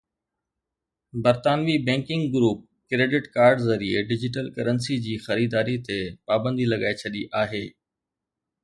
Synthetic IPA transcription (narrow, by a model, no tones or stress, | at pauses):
bɐɾt̪aːnʋibɛ̃ːŋkɪ̃ŋɡɡɾuːp̚ | kɾeːɖɪʈkaːɾɖzɐɾieɖɪd͡ʑɪʈ̬əlkɐɾənsid͡ʑiːxɐɾiːd̪aːɾit̪epaːbə̃nd̪ilɐɠaːet͡ɕʰɐɗiʔaːɦeː